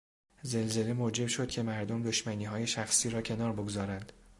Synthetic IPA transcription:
ze̞lze̞le̞moːd͡ʒe̞bʃo̞d̪̥cʰe̞mæɾd̪omd̪o̞ʃmæniːɦɒːje̞ʃæxsiːɾɒːcʰe̞nɒːɾboɡozɒːɾænd̪̥

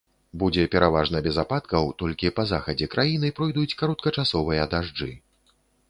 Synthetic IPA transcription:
bud͡zʲɛpʲɛɾʔavaʐnɐbʲɛzapat̪̚kɐwt̪ɔlʲkʲipɐzaxɐd͡zʲɛkɾʔajinɨpɾɔjd̪ut͡sʲkaɾɔt̪kɐt͡ʂasɔvɨjɐd̪aʐd͡ʐɨ

